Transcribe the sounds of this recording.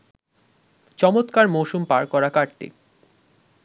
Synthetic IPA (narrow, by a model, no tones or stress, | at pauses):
t͡ɕɔmot̪kaɾmowʃumpaɾkɔɾakaɽʈ̪ḭ